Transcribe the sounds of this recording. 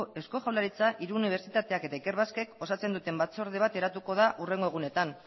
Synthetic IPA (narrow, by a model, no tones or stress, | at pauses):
esko̞ʝawlaɾit͡saʔiɾuːniβ̞e̞ɾt͡sit̪at̪e̞ake̞t̪aike̞ɾβaske̞ko̞sat͡se̞nd̪ut̪e̞mbat͡so̞ɾðiβ̞at̪e̞ɾat̪uko̞ðaʔure̞ŋɡo̞ɣ̞une̞t̪an